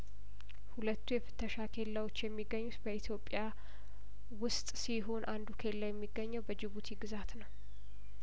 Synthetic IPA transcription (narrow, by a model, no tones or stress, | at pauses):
hulət̪ːujɛfɨ̥t̪ʰːəʃakʰe̞lːawo̞t͡ʃːjɛmːiɡːəɲːut̪bəit̪ʰjo̞pʼːja | wʊst̪ʼsiɦo̞nʔand̪ukʰe̞lːajɛmːiɡːəɲːəwbəd͡ʒɪβut̪ʰiɡɨzat̪nəw